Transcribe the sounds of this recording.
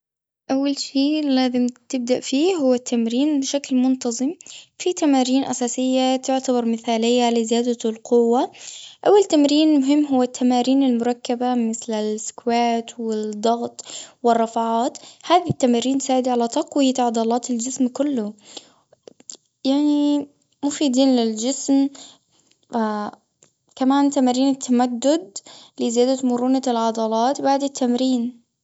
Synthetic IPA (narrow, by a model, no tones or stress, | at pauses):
ʔawːalʃiːlaːzɪmt̪ɪb̚d̪aʔfiːɦʊwːat̪ʰːamɾiːnbɪʃaklmʊnt̪ɑzˤɨmfit̪amaːɾiːnʔa̰saːsɪjːat̪ʊʕt̪abɑɾˤmɪθaːlɪjːalɪzɪjaːd̪alqʊwːaʔawːalt̪amɾiːnmʊɦɪmːɦʊwːat̪ʰːamaːɾiːnɪlmʊɾˤɑkːabamɪθlɪlɪskwaːt̪wɪd̪ˤːɑɣt̪ˤwɪrˤːɑfaʕaːt̪haːðit̪ːamaːɾiːnsaːʕɪd̪ʕalat̪ɑqwɪjat̪ʕɑd̪ˤɑːlɑːt̪ɪld͡ʒɪsmkʊlːʊ | jaʕni | mufiːd̪iːnlɪld͡ʒɪsm | a | kamaːnt̪amaːɾiːnɪt̪ʰːamad̪ːʊd̪lɪzɪjaːd̪amʊɾuːnalʕɑd̪ˤɑlɑːt̪baʕd̪ɪt̪ʰːamɾiːn